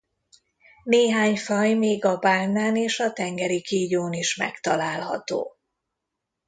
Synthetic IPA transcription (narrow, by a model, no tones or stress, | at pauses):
neːɦaːɲfɒjmeːɡɒbaːnaːneːʃɒt̪ɛŋɡɛɾikiːɟoːniʃmɛ̰kt̪ɒlaːlɦɒ̰t̪o̰ː